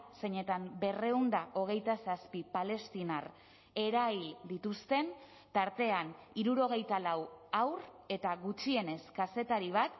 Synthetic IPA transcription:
se̞ɲe̞t̪ambe̞re̞und̪aʔo̞ɣ̞e̞jt̪asaspipale̞st̪inar | e̞ɾajld̪it̪ust̪e̞n | t̪aɾt̪e̞aniɾuɾo̞ɣ̞e̞jt̪alawawr | e̞t̪aɣut͡ʃie̞ne̞skase̞t̪aɾiβ̞at̪

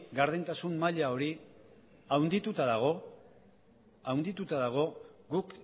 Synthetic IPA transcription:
ɡaɾðent̪asunmaʎao̞ɾi | awnd̪it̪ut̪aðaɣ̞o̞ | awnd̪it̪ut̪aðaɣ̞o̞ɡuk

